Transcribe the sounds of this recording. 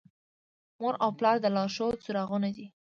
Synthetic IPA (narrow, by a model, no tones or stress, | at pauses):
moɾawplɑɾd̪əlɑʃot͡suɾɑɣunad̪i